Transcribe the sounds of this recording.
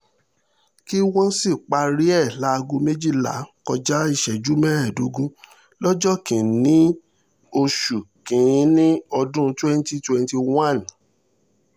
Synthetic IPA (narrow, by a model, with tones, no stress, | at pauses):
ki˦wɔ̃˦si˦˨k͡pa˧ɾi˦ɛ˦˨la˨˦˧ɡũ˧me˦d͡ʒi˦˨la̰˨˦kɔ˧d͡ʒa˦i˦˧ʃɛ˨d͡ʒu˨˦mɛ˦ɛ˦˨du˨˦ɡũ˦ | lɔ˦d͡ʒɔ˦kĩ˨nĩ˨˦ | o˧ʃu˨kĩ˨˦nĩ˦ɔ˧dũ˦twɛ˦n˦ti˧twɛ˧nti˧wã˦˨n